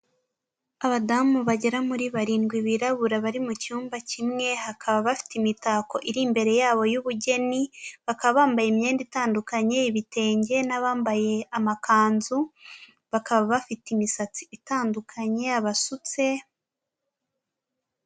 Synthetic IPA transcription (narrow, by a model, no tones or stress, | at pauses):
aβadamuβaɟe̞ɾamuɾiβaɾiːnɡwiβiɾaβuɾaβaɾimucuːmbacimŋe̞hakʰaβaβafi̥timitaːko̞ʔiɾiːmbe̞ɾe̞jaːβo̞juβuɟe̞niβakaβaβaːmbajemje̞ːnditaːndukaɲe̞iβite̞ːɲɟe̞naβaːmbaje̞amakaːnzu | βakaβaβafitimisat͡siːtaːndukʰaɲe̞aβasut͡se̞